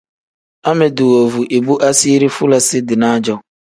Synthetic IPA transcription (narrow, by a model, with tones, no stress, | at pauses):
a˦mɪ˨du˨wo˨vu˨ʔi˨bu˦ʔa˦si˦ɾi˦fʊ˦la˨sɪ˦dɪ˨nãː˦d͡ʒɔ˦